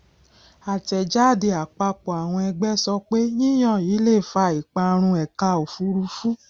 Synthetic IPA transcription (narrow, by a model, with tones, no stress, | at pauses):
a˨tɛ˨d͡ʒa˦˨de˧˨a˨k͡pa˧k͡pɔ˨a˨w̃ɔ̃˧ɛ˧ɡ͡bɛ˦sɔ˧k͡pe˦nĩ˦j̃ɔ̃˦˨jiː˨˦le˦˨fa˧i˨k͡pa˧ɾ̃ũ˧ɛ˨ka˧o˨fu˨˧˦ɾu˧fu˦